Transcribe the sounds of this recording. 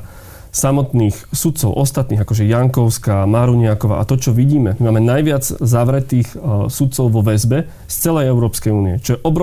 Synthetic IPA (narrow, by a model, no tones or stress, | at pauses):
samɔt̪niːxsut̪̚t͡sɔʊʔɔst̪at̪niːɣakɔʒɛjaŋkɔʊskamaɾuɲɪakɔʋa̰ːʔa̰t̪ɔt͡ʃɔʋiɟiːmɛmimaːmɛnajʋɪad͡zzaʋɾɛt̪iːxsut̪̚t͡sɔʊʋɔʋɛzbɛ | st͡sɛlɛjɛʊɾɔːpskɛjuːniɛt͡ʃɔjɛʔɔbɾɔ